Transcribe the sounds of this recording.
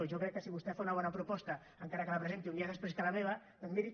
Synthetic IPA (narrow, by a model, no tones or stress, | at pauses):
ʒokɾɛkːəsiβust̪ɛfaunɐβɔnapɾupɔst̪ɐːŋkaɾɐkəlapɾəzent̪iuniaðəspɾeskalameβ̞ɐ | d̪onmiɾi